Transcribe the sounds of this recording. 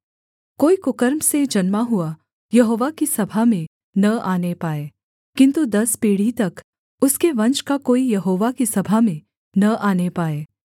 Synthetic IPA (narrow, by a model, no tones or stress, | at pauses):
koːikʊkəɾmsed͡ʒɐnmaɦʊa | jɐɦoːʋakisɐbʱamẽ | nɐaːnepaːeː | kɪ̃nt̪ud̪ɐspiːɽ̤it̪ɐk | ʊskeʋɐ̃nt͡ʃkakoːijɐɦoːʋakisɐbʱamẽ | nɐʔaːnepaːeː